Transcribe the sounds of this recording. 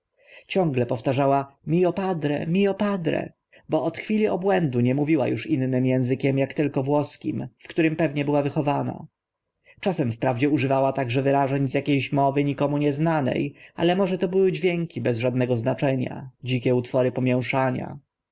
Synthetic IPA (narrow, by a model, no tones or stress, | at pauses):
t͡ɕɔ̃ŋɡlɛpɔft̪aʐawamʲiɔpad̪ɾɛ̰mʲiɔpad̪ɾɛ̰ | bɔɔt̪xfʲilʲiɔbwɛnd̪uɲɛmuvʲiwa̰juʂinnɘmjɛ̃w̃zɘkʲɛmjakt̪ɘlkɔvwɔskʲḭmfkt̪uɾɘmpɛvɲɛbɘwavɘxɔvana̰ | t͡ʂasɛmfpɾavd͡ʑɛuʐɘvawat̪aɡʐɛvɘɾaʐɛɲzjakʲejɕmɔvɘɲikɔmuɲɛznanɛ̰jʔa̰lɛmɔʐɛt̪ɔbɘwɘd͡ʑvʲjɛŋkʲibɛzʐad̪nɛɡɔznat͡ʂɛɲa̰d͡ʑikʲɛut̪fɔɾɘpɔmʲjɛw̃ʂaɲa̰